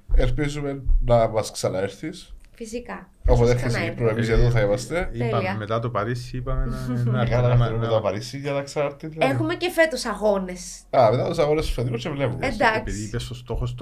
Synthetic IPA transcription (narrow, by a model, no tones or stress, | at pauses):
eɾpizumenɐmɐsksɐnɐeɾθisfisikɐ | opot̪eeɾçes̬kipɾoemizjɐt̪oθɐimɐst̪eiɐmːet̪ɐt̪opɐɾisiipɐmenɣɐɐnɐmɾumet̪opɐɾisiʝɐðɐksɐɾt̪iðlexumecefet̪usɐɣones | ɐmet̪ɐt̪usɐɣonestu̥seðiost͡ʃevlepumdesd̪iðiipesost̪oxost̪